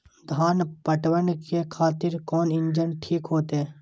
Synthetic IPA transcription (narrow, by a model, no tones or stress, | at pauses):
d̪ʱaːnpəʈwənkekʰaːt̪ɪɾkɔːnɪɲd͡ʒənʈʰiːkɦoːt̪eɛ